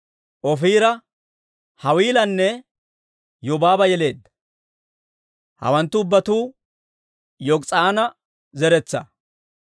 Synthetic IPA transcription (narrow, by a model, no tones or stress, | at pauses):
ʔɔfiːɾɐ | hɐwiːlɐnːɛ | jɔbaːbɐjɛle̞ːd̪ːɐ̥ | hɐ̰wɐnt̪ːʊːbːɐt̪uː | jɔkt͡sʼaːnɐ | zɛɾɛt͡sːɐ̰